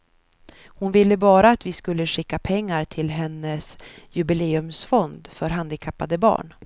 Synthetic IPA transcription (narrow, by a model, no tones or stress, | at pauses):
hʊnvɪlːəbɑːɾaːt̪vɪskɵlːəɧɪkːapʰɛŋːaɾʈ̪ʰɪlɦɛnːəsjɵbɪleːɵmsfɔnd̪fœɾɦand̪ɪkʰapːad̪əbɑ̰ːɳ